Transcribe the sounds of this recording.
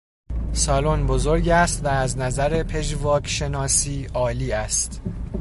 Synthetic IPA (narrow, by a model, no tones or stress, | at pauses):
sɒːlonbozoɾɟæst̪væːznæzæɾepʰe̞ʒvɒːcʃe̞nɒːsiːʔɒːliːæst̪